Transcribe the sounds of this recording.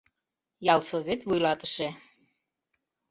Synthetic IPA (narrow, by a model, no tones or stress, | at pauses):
jɑlsoβʲet̪vujlɑt̪ə̥ʃe